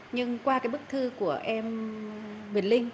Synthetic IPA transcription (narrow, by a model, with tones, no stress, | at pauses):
ɲɨ˧ŋkwaː˧kaː˨˦jɓɨ˦˥k̚t̪ʰɨ˧ku˧˩əʔɛ˧m | ɓi˨˩nlï˧ŋ̟